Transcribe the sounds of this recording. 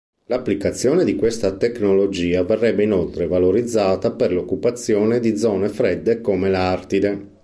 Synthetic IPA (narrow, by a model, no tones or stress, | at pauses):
lapːlikat̪sːjɔːned̪ikwest̪at̪eknolod͡ʒiːaverːɛbːeinolt̪ɾevaloɾid̪zːaːt̪aperlokːupat̪sːjoːned̪id̪zɔːnefɾɛd̪ːekomelart̪id̪e